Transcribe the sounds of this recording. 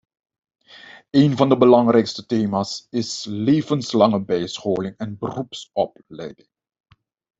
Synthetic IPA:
ejnvɑndəbəlɑŋrɛjkstəteːmaːsɪsleːvənslɑŋəbɛjsχoːlɪŋɛnbərupsɔp̚ | lɛ̰jdɪŋ

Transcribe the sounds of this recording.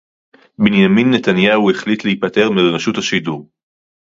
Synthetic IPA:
benjaminːetanjaueχlit̪lehipate̞ʁmelonaʃuthaʃiduʁ

